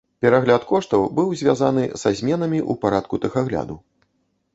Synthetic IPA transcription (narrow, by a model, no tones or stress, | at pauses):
pʲɛɾaɣlʲat̪kɔʂt̪ɐwbɨwzʲvʲjazan̪ɨz̥azʲmʲɛnɐmʲiʔṵpaɾat̪kut̪ɨxaɣlʲa̰d̪u